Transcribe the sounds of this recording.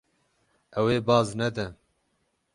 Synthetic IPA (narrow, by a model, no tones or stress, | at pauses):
ɛweːbɑːznɛd̪ɛ